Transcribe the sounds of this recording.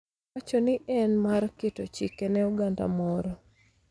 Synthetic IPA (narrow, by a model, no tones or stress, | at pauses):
at͡ʃɔnɪɛnmarkɪtɔt͡ʃikenɛuɡanda̰mɔɾɔ